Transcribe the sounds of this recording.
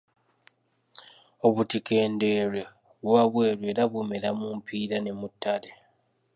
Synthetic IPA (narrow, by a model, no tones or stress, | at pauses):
o̞βutike̞ːnde̞ɾe | βwaβwe̞ːɾwe̞ːɾaβumeɾamumpʰiːɾane̞mutːale